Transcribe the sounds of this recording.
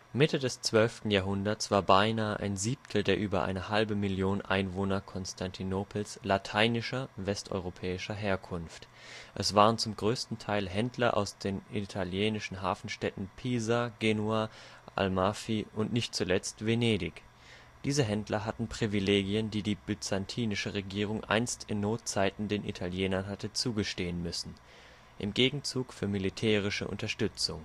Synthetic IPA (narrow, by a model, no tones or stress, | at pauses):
mɪtədɛst͡sv̥œlftn̩jaːɐɦʊndɐtsv̥aːɐbaɪnaːəʔa̰ɪnziːp̚tʰl̩deːɐʔyːbɐ̰ʔa̰ɪnəhalbəmɪljoːnənʔa̰ɪnvoːnɐkʰɔnstʰantʰinoːpʰl̩slatʰaɪnɪʃɐvɛstʔɔ̰ʏʁ̞opʰɛːɪʃɐɦeːɐkʰʊnft | ʔɛsv̥aːʁ̞ənt͡sʊmɡʁøːstn̩tʰaɪlɦɛndlɐʔa̰ʊsd̥eːnitʰaljeːnɪʃn̩ɦa̰ːfn̩ʃtɛtn̩pʰiːzaɡeːnuaːʔa̰lmaːfiʔʊntnɪçt̚t͡sulɛt͡stv̥eneːdɪk | d̥iːzəɦɛndlɐɦatn̩pʁ̥ivileːɡiəndiːdiːbyt͡santʰiːnɪʃəʁeɡiːʁ̞ʊŋʔa̰ɪnstɪnːoːt̚t͡saɪtn̩deːnʔḭtʰaljɛːnɐnɦatət͡suːɡəʃteːənmʏsn̩ | ʔɪmɡeːɡŋ̩t͡suːkfyːɐmilitʰɛːʁ̞ɪʃə̰ʔʊ̰ntɐʃtʏt͡sʊŋ